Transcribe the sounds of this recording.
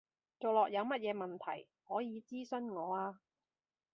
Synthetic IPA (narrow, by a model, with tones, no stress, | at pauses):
t͡so˨˩wlɔː˨k̚jɐ˨˧wmɐ˥t̚jɛː˨˧mɐ˨nt̪ʰɐ̰˨˩j | hɔː˨˥jiː˨˧t͡siː˥sɵ˧nŋɔː˨˧aː˧